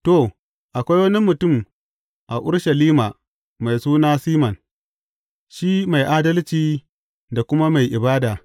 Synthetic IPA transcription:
to˨ | ʔa˨kʷa˦jwɐ˦ni˦mːʊ˨tʊ˦˨m | ʔa˨ʔʊ˦ɽʃɐ˨liː˦ma˨ | ma˨jsuː˦naː˦siː˦mɐ˨n | ʃi˦ma˨jʔaː˦dɐ˦lt͡ʃiː˨ | da˨kʷʊ˦ma˦ma˨jʔɪ˨baː˦daː˨

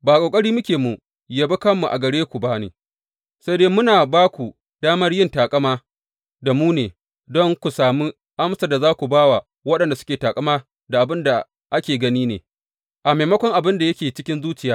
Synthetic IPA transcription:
baː˨kʷʼoː˨kʼɐ˦ɽiː˦mʊ˦kʲeː˨mu˨ | ja˨bɐ˦kɐ˦mːu˨ʔa̰˨ɡɐ˨ɽeː˦kʷu˨ba˦nḛː˨ | sa˦deː˦mʊ˦naː˨baː˦kʷu˨ | daː˦mɐ˦rjɪ˦˨ntaː˨kʼɐ˦maː˦ | da˨muː˦neː˨ | dɔ˦ŋkʷu˨saː˨mi˦ | ʔa˦msa˦˨da˨zaː˦kʷu˨baː˦wa˨ | wɐ˦ɗɐ˨nda˨sʊ̥˦kʲeː˨taː˨kʼɐ˦maː˦ | da˨ʔa˨bɪ˦nda˨ | ʔa˦kʲeː˨ɡɐ˦niː˦nḛː˨ | ʔa˨meː˨mɐ˦kʷɔ˦ŋʔa˨bɪ˦nda˨jɐ˦kʲeː˨t͡ʃɪ̥˦kʲɪ˦nzuː˦t͡ʃɪ˨jaː˦

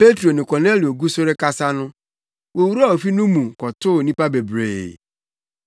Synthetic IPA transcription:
pe˦tɾo˨nɪ̃˨kɔ˨ne˦li˨o˨ɡu˦so˦ɾe˦ka˦sa˦nʊ̃˦ | wo˨wu˦ɾa˦˨o˨fi˦nʊ̃˦mũ˨kɔ˨tʊ˦˨nĩ˦pa˦be˨bɾḛː˨

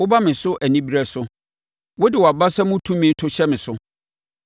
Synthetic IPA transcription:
wʊ˦ba˦mɪ̃˨sʊ˦ʔæ˨nĩ˦bi˦ɾæ˦sʊ˦ | wɔ˦dɪ˨wɔ˨a˨ba˦sa˦mʊ̃˦tʰũ˦mĩ˦n̩˦tʰʊ˦ɕɛ˦mɪ̃˨sʊ˦

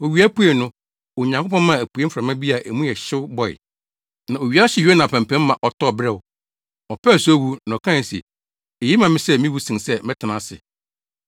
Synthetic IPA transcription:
o˨ɥi˨˦æ˦pu˦e˨nʊ̃˦ | o˨ɲã˨ŋkʊ˦pɔ̃˦n˦mã˦˨æ˨pu˨e˦m̩fɾa˨mã˦bi˦a˨ʔe˨mũ˦jɛ˨ɕɪ˦wʊ˦bɔ˨ɪ̰˨ | nã˨o˨ɥi˨˦a˦ɕɪ˨jo˦nã˨pʰæ̃˨m˨pʰɛ̃˦mː˦ã˨ʔɔ˨tʰɔ˦˨bɾɛ˦˨wʊ˨ | ɔ˨pʰɛ˦˨su˦o˦wu˦nã˨kʰã˦˨sḭ˨ | e˨ji˦mã˨mɪ̃˦sɛ˦mĩ˦wu˦sĩ˨sɛ˦mɪ̃˦tʰɪ˨nã˨˦sɪ̰˨

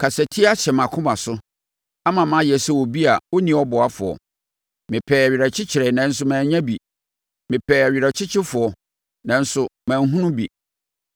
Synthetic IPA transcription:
kʰa˨sæ˨tʰi˦a˦ɕɛ˨mã˨kʰʊ̃˦mã˨sʊ˦ | a˦mã˨m˦ã˦jɛ˨sɛ˦wɔ˨bi˦a˨wʊ˦nĩ˨˦ɔ˦bɔ˨a˦fʊ˨ɔ̰˨ | mɪ̃˨pʰɛː˨æ˨ɥi˨ɾa˨t͡ɕʰɪ˦t͡ɕʰɪ˨ɾɛ˨nã˨˦n̩˦s̬ʊ˦mãː˨ɲã˦bi˨ | mɪ̃˨pʰɛː˨æ˨ɥi˨ɾa˨t͡ɕʰɪ˦t͡ɕʰɪ˦fʊ˨ɔ˨ | nã˨n̩˦sʊ˨mãː˨n˦ɦũ˦nʊ̃˦bi˨

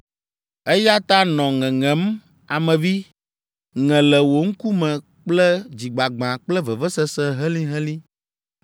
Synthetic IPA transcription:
e˦ja˦t̪a˦nɔ̃˨ŋɛ̃˨ŋɛ̃˨˦m | a˨mɛ̃˨vi˦ | ŋɛ̃˨lɛ˨wo˨ŋ̩˦ku˦mɛ̃˨ | k͡plɛ˦d͡ʑi˨ɡ͡ba˨ɡ͡bã˨k͡plɛ˦vɛ˨vɛ˦sɛ˦sɛ̃˦ɦɛ˦lĩ˦ɦɛ˦lĩ˦

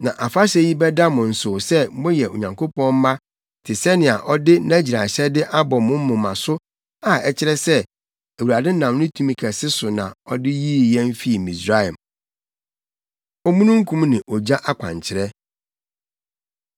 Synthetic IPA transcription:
nã˨ʔa˨fa˦ɕɛ˦ji˦bɛ˦da˦mʊ̃˨n̩˨sʊ˨sɛ˦mõ˦jɛ˨o̰˨ɲã˨ŋko˦pɔ̃˦m̩˦mã˦ | tʰɪ˨sɛ˦nɪ̃˨a˨ʔɔ˦dɪ˦nã˦d͡ʑi˨ɾa˨ɕɛ˦dɪ˦ʔa˦bɔ˨mʊ̃˦m̩˦mʊ̃˨mã̰˨sʊ˦ | a˨ɛ˨t͡ɕʰɪ˦ɾɛ˦sɛ˦ | æ˨wu˨ɾa˨dɛ˦nã˨m˦nɪ̃˦tʰũ˦mĩ˨kʰɛ˨sɪ˦sʊ˨nã̰˨ɔ˦dɪ˦ji˦˨jɛ̃˦m̩˦fi˦˨mĩ˨sɾa˦a˨m | ɔ˦mũ˦nũ˦ŋ̩˦kʰũ˦mnɪ̃˨ʔɔ˨d͡ʑa˦ʔa˦kʷʰã̰˨ɲ˨t͡ɕʰɪ˨ɾɛ˦

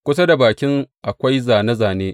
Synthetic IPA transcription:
kʷʊ˦s̬ɐ˦da˨baː˨kʲɪ˦ŋʔa˨kʷa˦jzaː˨ne˦zaː˨neː˦ʔ

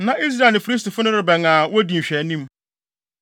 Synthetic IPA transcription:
nã˨ʔi˦s̬ɾa˦˨nɪ̃˨fi˨˦i˦sti˨fʊ˦nʊ̃˦ɾɪ˨bɛ˨ŋãː˨wɔ˦di˨m̩˨ɕᶣɛ˨˦nĩ˦m

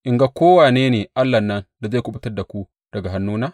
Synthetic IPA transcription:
ʔɪ˨ŋɡa˦kʷoː˦waː˨neː˦neː˨ʔa˦lːa˨nːɐ˦nda˨za˦˨kʷʊ˨bɪ˦tɐ˦rda˨kʷu˦ | d̥ɐ˨ɡa˨ɦa˦nːuː˦naː˦

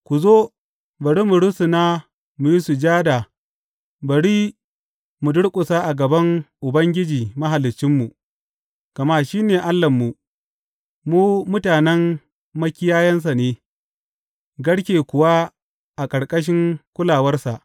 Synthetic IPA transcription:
kʷu˨zoː˦ | bɐ˨ɽiː˦mu˨ɽʊ˦sʊ˨naː˦ | mu˨ji˦su˨d͡ʒaː˦da˨ | bɐ˨ɽiː˦ | mu˨dʊ˦ɽkʷʼʊ˨saː˦ʔa˨ɡɐ˨bɐ˦ŋʔʊ˨bɐ˦ŋɡʲɪ˦d͡ʒiː˨mɐ˦ɦa˨lɪ˨t͡ʃːɪ˦mːu˨ | ɡ̥ɐ˨ma˦ʃiː˦neː˨ʔa˦lːɐ˨mːu˨ | muː˦mʊ˦taː˨nɛ˦mː | ɐ˦kʲɪ˦jaː˦jɐ˦ns̬a˨neː˦ | ɡɐ˦ɽkʲeː˨kʷʊ˨wa˦ | ʔa˨kʼɐ˨ɽkʼɐ˦ʃ̬ɪ˦ŋkʷʊ˦laː˨wɐ˦rsa˨ʔ

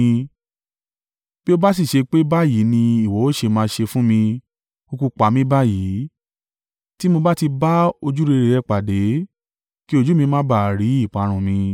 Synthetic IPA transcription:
bi˦o˦ba˦s̬i˦˨ʃe˧k͡pe˦ba˦˨ji˨˦nĩ˧i˦˨wɔ˨˦o˦˨ʃe˧mãː˧ʃe˧fũ˦mĩ˧ | u˧ku˧k͡pa˨˦mĩ˨˦ba˦ji˨˦ | ti˦mo˧ba˦ti˧ba˦o˧d͡ʒu˦ɾe˧ɾe˨˧ɾɛ˧˦k͡pa˨de˨˦ | ki˦o˦˧d͡ʒu˦mĩ˧mãː˦ba˨ɾi˨˦i˦˨k͡pa˨˦˧ɾ̃ũ˧˨mĩ˧

